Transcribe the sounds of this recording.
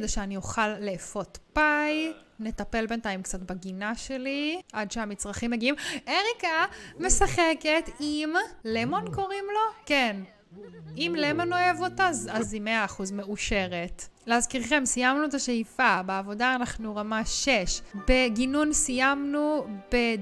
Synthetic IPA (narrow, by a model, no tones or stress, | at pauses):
daʃeanioχalːeːfo̞t̪paj | ne̞tape̞lbe̞ntajmkt͡sat̪baɡinaʃe̞liadʃeamit͡sʁaχimːeɡiimeʁikame̞saχe̞ke̞t̪imlemo̞nko̞ʁimlo̞ken | imlemo̞no̞jevo̞tazazimeaːχuzme̞uʃe̞ʁetleazkiʁχe̞msijamnuet̬aʃeifabeavo̞daːnaχnuʁamaʃeʃbeɡinunsijamnube